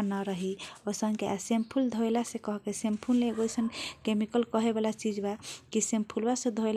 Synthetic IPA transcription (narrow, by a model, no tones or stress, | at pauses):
nəɾəɦiosəŋkeʔasempʰuld̪ʱojlasekəɦkesempʰulːeɡojsənkemikəlkəɦebalat͡ʃid͡ʒbakisempʰulbasẽd̪ʱoel